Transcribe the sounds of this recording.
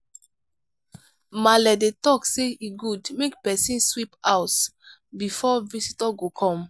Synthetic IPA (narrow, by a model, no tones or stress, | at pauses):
malɛdetɔkseiɡudmekpɛsĩnswipaʊs | bifɔvisitɔɡokʰɔ̃m